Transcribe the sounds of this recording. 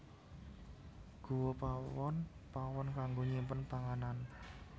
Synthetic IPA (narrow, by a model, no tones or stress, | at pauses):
ɡ̥o̤wopawɔnpawɔnkaŋɡoɲimpənpaŋanan